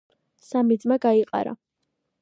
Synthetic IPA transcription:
samid̪zmaɡaiqʼa̰ɾa̰

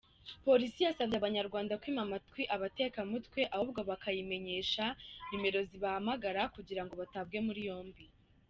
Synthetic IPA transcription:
po̞ɾisijasaβjaβaɲaɾɡwaːndakwiːmamatkwiʔaβate̞ːkamutwe̞ʔahub̚ɡo̞βakajime̞ɲe̞ːʃaɲime̞ɾo̞ziβahamaɡaɾakuɟiɾaŋɡo̞βatabɡe̞muɾijo̞ːmbi

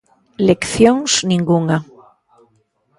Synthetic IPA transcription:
lekθjoŋsnĩŋɡuŋa

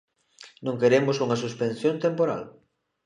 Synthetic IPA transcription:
nõŋkeɾemʊsuŋɐsuspẽnθjõnt̪empoɾa̰l

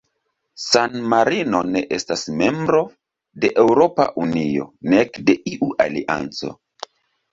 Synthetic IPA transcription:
sanmaɾino̞ne̞ʔestasme̞mbɾo̞ | de̞ʔewɾo̞pa̰ʔunio̞̰nekde̞ʔiʔuʔaliʔa̰nt͡so̞̰

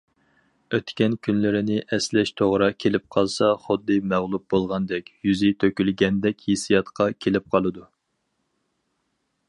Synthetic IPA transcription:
øt̪kʲɛnkʲʰynlɪɾɪnɪʔɛslɛʃt̪ʰoʁɾɑkʲʰelɪp̚qʰɑlˠsɑχʊd̪ːɨmæʁlˠup̚bolˠʁɑnd̪ɛkʲjyzɪt̪ʰøkʲylɡʲɛnd̪ɛkʲʰhesijɑt̪qʰɑkʲʰelɪp̚qʰɑlˠɨd̪u

